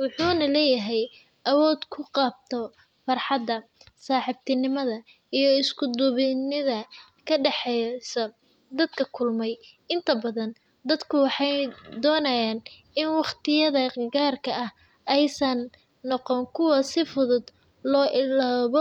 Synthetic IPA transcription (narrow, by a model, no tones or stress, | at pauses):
wʊħuːnɐlɛːjɐɦɛj | ʔɐwɔːd̪kʰʊqɑːb̚t̪ʰɔ | fɑrħɑd̪ːɐ | saːħɪb̚t̪ʰɪnɪmɐðɐ | ijɞɪskʰʊd̪ʊβɪnɪðɐ | kʰɐɖɛħɛsɐ | d̪ɐd̪kʰɐkʰʊlmɛj | ɪnt̪ʰɐbɐðɐn | d̪ɐd̪kʰʊwɑħɑjd̪ɔːnɐjaːn | ɪnwɑχt̪ʰɪjɐðɐɡaːrkʰɐʔɐh | ʔɛjsɐnː | ɔqɔŋkʰʊwɐsɪfʊðʊd̪ | lɔːʔɪlaːβɔ